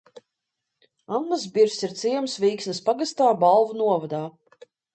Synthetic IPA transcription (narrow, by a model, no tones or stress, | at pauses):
anːazbiɾsiɾt̪sʲijɛmsviːksnispaɡast̪aːbalˠvunuɔvad̪aː